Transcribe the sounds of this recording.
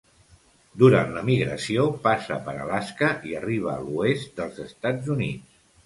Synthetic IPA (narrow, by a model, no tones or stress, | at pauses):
d̪uɾa̰nləmiɣɾəsiopasə̰pəɾə̰laskəʔiəriβ̞əːluest̪̚d̪əlˠzəst̪ad͡zunit͡s